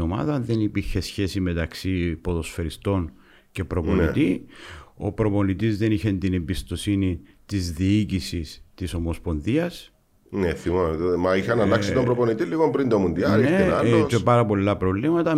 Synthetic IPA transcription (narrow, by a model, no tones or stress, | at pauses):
omɐ̰ðɐnðenipiɾçe̞sçe̞sime̞t̪ɐksipo̞ðo̞sfeɾist̪o̞n | ce̞pɾo̞po̞nit̪i | o̞pɾo̞po̞nit̪izðe̞niçent̪inembist̪o̞sini | t̪izðiicisist̪iso̞mospo̞nðiɐs | neθimomɐiçɐnɐlɐkssit̪mbɾoponit̪iliɣompɾind̪omund̪iɐnealoepɐɾɐpo̞lːɐpɾo̞vlimɐt̪ɐ